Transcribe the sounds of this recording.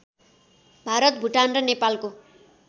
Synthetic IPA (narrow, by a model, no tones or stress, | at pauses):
bʱaɾʌt̪̚bʱuʈanrʌnepalko